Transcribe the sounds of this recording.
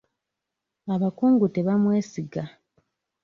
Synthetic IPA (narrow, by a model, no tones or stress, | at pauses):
aβakuːŋɡute̞βamwe̞ːsiɡa